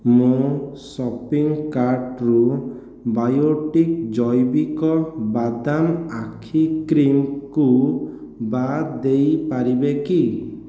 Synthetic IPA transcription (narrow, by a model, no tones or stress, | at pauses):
mũsɔpiŋkaɾʈɾu | bajoʈik̚d͡ʒɔjbikɔbad̪amakʰikɾimku | bad̪ejpaɾibeki